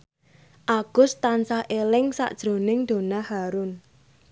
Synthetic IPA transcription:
ʔaɡ̥ʊ̤st̪ansahʔelɪŋsa̰ʔd̥ʒ̥ɾo̤nɪŋd̪̥o̤nahaɾʊn

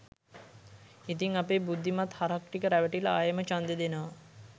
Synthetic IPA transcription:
it̪iŋapeːbud̪ʱːimat̪haɾakʈikəɾæʋəʈiləaːjəmət͡ʃand̪ed̪enəʋa

